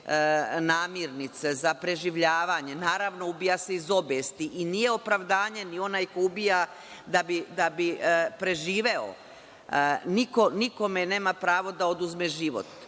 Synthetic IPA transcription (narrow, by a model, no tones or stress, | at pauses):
naːmjiɾnit̪sezapɾe̞ʒiʋʎaːʋaɲe̞naːɾaʋno̞ubijase̞izo̞beːst̪iʔinije̞o̞pɾaʋd̪aːɲe̞nio̞naːjko̞ubija | d̪abid̪abipɾe̞ʒiːʋe̞o̰ | niko̞niko̞mene̞ːmapɾaːʋo̞d̪aod̪uzmeʒiʋo̰t̪